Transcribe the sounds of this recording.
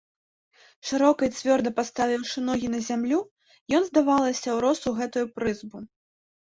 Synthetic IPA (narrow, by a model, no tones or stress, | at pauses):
ʂɨɾɔkɐj̪t͡sʲvʲɔrd̪ɐpast̪avʲiwʂɨnɔɣʲinɐzʲamlʲu | jɔnzd̪avalˠɐsʲɐwɾɔsuɣɛt̪ujupɾɨzbu